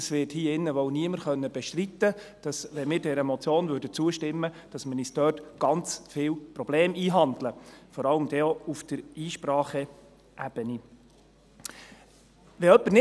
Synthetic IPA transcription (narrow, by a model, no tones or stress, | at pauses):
sʋɪthiːɪnːəʋɔwniəməɾχœnːəb̥ɛʃtɾit̪ːəd̥ɑsʋɛmɪːɾdɛɾəmɔt͡sjoːnvʏɾdət͡suəʃtɪmːə | d̥ɑsmənistœːtɡ̥ɑnt͡sfɪːwpɾɔb̥leːmiːɦɑndləfɔɾɑləmd̥̪ɛoufd̥əɾiːʃpɾɑːχə | ʔæb̥əni | ʋɛœpːəɾnɪ